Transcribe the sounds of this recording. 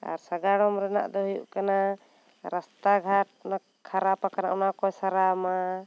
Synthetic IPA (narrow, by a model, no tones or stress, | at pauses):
a̰ɾsaɡaɽɔmɾɛna̰ʔd̪ɔɦujṵʔkana | ɾast̪aɡʱaʈ̚na | kʰːaɾapakana̰ʔɔnakɔsaɾama